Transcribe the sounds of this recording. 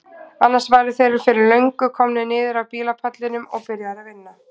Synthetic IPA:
anːasvaːjɾʏθejɾʏɾfɪɾɪɾlœɥŋkʏkʰɔmnɪnɪːðɪɾawpiːlapʰat̪lɪnʏmɔɣpɪɾjaðɾavɪnːa

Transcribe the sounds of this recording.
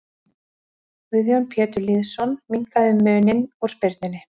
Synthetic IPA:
ʏðjɔnpʰjɛːt̪ʏɾliːðsɔnmiŋkaðʏmːʏːnɪnɔɾ̥spɪɾt̪nɪnːɪ

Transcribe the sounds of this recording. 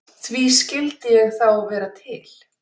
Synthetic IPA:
θviscɪlt̪ɪjɛɣθawvɛːɾat̪ʰɪl̥

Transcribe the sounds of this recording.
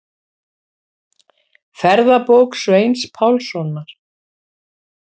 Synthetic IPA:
fɛɾðapoːwksvejnspʰawlsɔnaɾ̥

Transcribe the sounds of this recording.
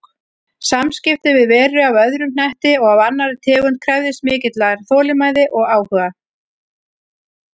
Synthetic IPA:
samscɪft̪ɪvɪðvɛːɾʏavœðɾʏn̥ɛht̪ɪɔɣavanːaɾɪt̪ʰɛːɣʏnt̪̚kʰɾɛvðɪsmɪːcɪt̪laɣaɾ̥θɔːlɪmaːjðɪʔɔɣaːwhʏːɣa

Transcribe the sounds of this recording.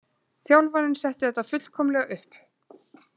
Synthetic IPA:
θjawlvaɾɪnsɛht̪ɪθɛt̪ːafʏt̪l̥kʰɔːmlɛɣʏhp

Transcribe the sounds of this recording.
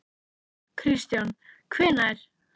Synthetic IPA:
kʰɾist̪jankʰvɛːnaɾ̥

